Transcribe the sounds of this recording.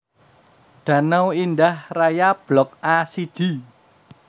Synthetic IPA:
ɖ̪̥a̤nawindahrajab̥lɔk̚asid̥ʒ̥i̤

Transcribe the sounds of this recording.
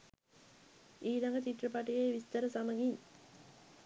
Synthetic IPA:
iːɾɐŋɡɐt͡ʃiʈrɐpaʈijeʋist̪ɐɾɐsamɐɡiɲ

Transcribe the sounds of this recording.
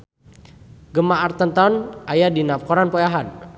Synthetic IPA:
ɡəmaʔart̪ənt̪ɔnajadinafkɔɾanpɔjaɦan

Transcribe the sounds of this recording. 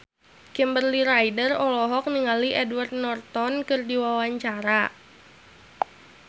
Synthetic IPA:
kɛmbərliɾajdərɔlɔɦɔk̚niŋaliʔɛdwart̪̚nɔrt̪ɔnkɨrdiwawaɲt͡ʃaɾa

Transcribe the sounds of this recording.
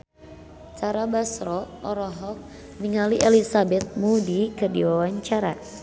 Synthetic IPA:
t͡ʃaɾabasɾɔʔɔɾɔɦɔk̚ | niŋaliʔelisabɛt̪̚mudikədiwawaɲt͡ʃaɾa̰

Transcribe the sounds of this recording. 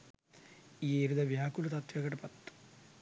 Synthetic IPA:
ieɾud̪ɐʋjaːkulɐt̪ɐt̪jɐɡɐʈɐpɐt̪ː

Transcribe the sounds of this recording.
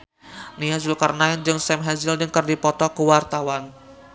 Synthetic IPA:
niazulkarnaɪnd͡ʒɨŋsɛmɦɛnzɪldɨŋkərdipɔt̪ɔkəwart̪awan

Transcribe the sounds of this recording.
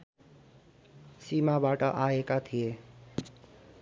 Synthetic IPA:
simabaʈʌʔaekat̪ʰije

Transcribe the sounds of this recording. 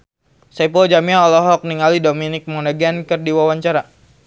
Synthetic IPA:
sapɔld͡ʒamiaɔlɔɦɔk̚niŋalidominɪk̚monaɡankərdiwawaɲt͡ʃaɾa

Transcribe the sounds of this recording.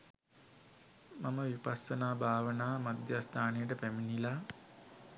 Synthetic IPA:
maməʋipasːənaːbʱaːʋənaːmad̪jast̪ʰaːnejəʈəpæminila

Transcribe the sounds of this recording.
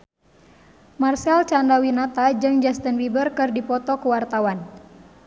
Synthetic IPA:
marsɛlt͡ʃandawinat̪ad͡ʒɨŋd͡ʒast̪ənwibərkɨrdipɔt̪ɔkuwart̪awan

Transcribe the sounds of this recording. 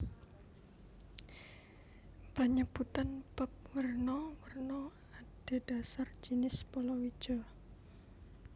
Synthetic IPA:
paɲəb̥ut̪anpəp̚wərnɔwərnɔ | ad̥e̤d̥asard͡ʒ̥inɪspɔlɔwi̥ʒ̥ɔ

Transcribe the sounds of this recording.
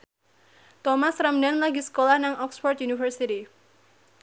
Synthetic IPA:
t̪ɔmasramdanlaɡisə̥kolahnaŋɔksfɔrt̪̚junifərsit̪i

